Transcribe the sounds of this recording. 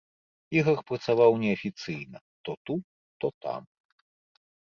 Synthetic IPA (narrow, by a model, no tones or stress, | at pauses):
ixɐxpɾɐt̪savawnʲɛɐfʲit̪sɨjnɐ | t̪ɔt̪u | t̪ɔt̪a̰m